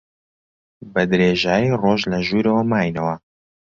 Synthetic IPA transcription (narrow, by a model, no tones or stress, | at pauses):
bɐd̪ɾeːʒaːjiroːʒlɐʒuːɾɐwɐmaːjnɐwɐ